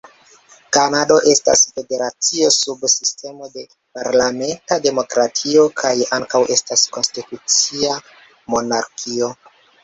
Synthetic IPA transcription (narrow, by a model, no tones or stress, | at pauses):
kanado̞ʔe̞sta̰sfe̞de̞ɾat͡sio̞subsiste̞mo̞de | paɾlame̞ntade̞mo̞kɾatʰio̞kʰajaŋkawʔe̞stasko̞nstitut͡sia | mo̞naɾkʰio̞